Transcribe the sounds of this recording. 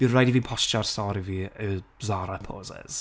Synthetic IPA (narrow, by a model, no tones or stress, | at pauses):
d̥inrajdivipʰɔst͡ʃarsɔːɾiviəbzaːɾəpʰoːzɛ̰z̥